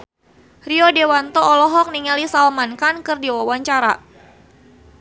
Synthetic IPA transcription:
riɔdewant̪ɔːlɔɦɔk̚niŋalisalmankankɨrdiwawaɲt͡ʃaɾa̰

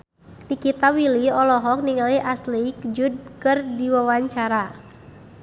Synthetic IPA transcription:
nikit̪awiliɔlɔɦɔk̚niŋaliʔaslikd͡ʒud̚kɨrdiwawaɲt͡ʃaɾa

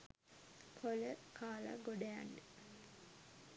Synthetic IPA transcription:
kʰoləkʰaːla̰ɡoɖeja̰ɳɖə

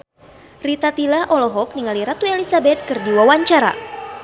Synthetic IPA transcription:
rit̪at̪ilaʔɔlɔɦɔk̚niŋaliɾat̪uelisabɛt̪̚kɨrdiwawaɲt͡ʃaɾa̰

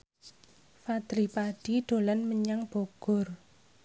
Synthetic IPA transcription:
fad̪̥ɾipaɖ̥iɖ̪̥o̤lanməɲaŋb̥oɡ̥ɔ̤r

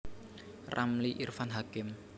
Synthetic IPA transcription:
rʔamliʔirfanɦakɪm

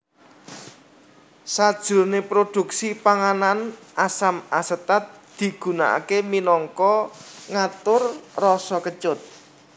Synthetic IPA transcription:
sad̥ʒ̥ʊ̤rnepɾod̪̥ṳk̚sipaŋananʔasamasət̪at̪̚d̪̥i̤ɡ̥ṳna̰ʔa̰keminɔŋkɔŋat̪ʊrrɔsɔkət͡ʃʊt̪̚

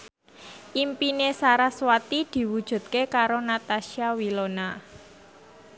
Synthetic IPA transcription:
ʔimpinesaɾaswat̪id̪̥i̤wud̥ʒ̥ṳt̪̚kekaɾonat̪aʃiawilona

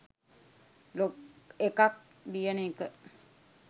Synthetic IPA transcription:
lokekak̚ | d̪ijəneːkə

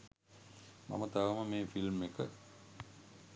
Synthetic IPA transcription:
ma̰mət̪aʋəməmeːfilmekə

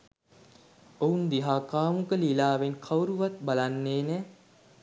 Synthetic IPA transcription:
ound̪iɦaːkaːmukəlilaːʋenkʰawɾuʋat̪̚balanːeːnɛː

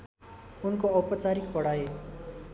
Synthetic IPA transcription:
unkoʌpʌt͡saɾikpʌɽ̤ae

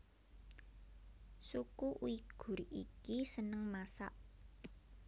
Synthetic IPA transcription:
sukuʔṵiɡ̥ṳrḭkisənəŋmasa̰ʔ

